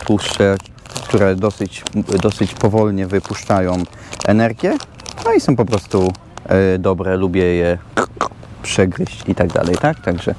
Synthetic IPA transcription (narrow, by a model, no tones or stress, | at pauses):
t̪ʰwuʂʂɛ | kt̪uɾɛd̪ɔsɘt͡ɕd̪ɔsɘt͡ɕpɔvɔlɲɛvɘpuʂt͡ʂajɔ̃w̃ | ʔɛnɛɾɡʲjɛ | nɔisɔ̃w̃pɔpɾɔst̪u | d̪ɔbɾɛlubʲjɛjɛ | pʂɛɡɾɘɕt͡ɕit̪aɡd̪a̰lɛjt̪ak̚t̪aɡʐɛ